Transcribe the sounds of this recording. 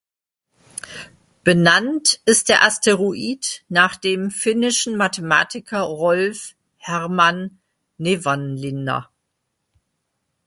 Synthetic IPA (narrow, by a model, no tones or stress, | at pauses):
b̥ənantʔɪst̚d̥eːɐʔastʰeʁuʔiːtnaːχd̥eːmfɪnɪʃn̩matʰəma̰ːtɪkʰɐʁɔlf | hɛʁmanː | evanlɪnɐ̰